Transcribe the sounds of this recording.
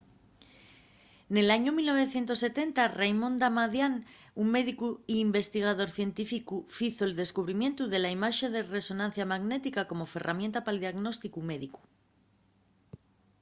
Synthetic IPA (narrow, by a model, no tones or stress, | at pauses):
ne̞laɲomilno̞β̞eθje̞nt̪o̞sːe̞t̪e̞nt̪arejmõ̞nd̪amaðjanuŋme̞ðikuiːmbe̞st̪iɣ̞aðo̞ɾθje̞nt̪ifikufiθoeld̪e̞skuβ̞ɾimje̞nt̪uðe̞laimaʃe̞ðe̞re̞so̞nãn̟θjamaɣne̞t̪ikako̞mo̞fe̞rʔa̰mje̞nt̪apaliðiaɣno̞st̪ikume̞ðiku̥